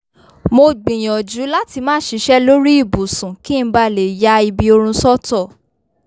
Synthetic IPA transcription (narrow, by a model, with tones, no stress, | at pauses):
mo˧ɡ͡bĩ˨j̃ɔ̃˨d͡ʒu˨˦la˦ti˧mãː˦ʃi˧˦ʃɛ˦lo˦ɾi˦i˦˨bu˨sũ˨ki˦n̩˦ba˧le˨ja˧˦i˧bi˧o˧ɾ̃ũ˧sɔ˦tɔ˦˨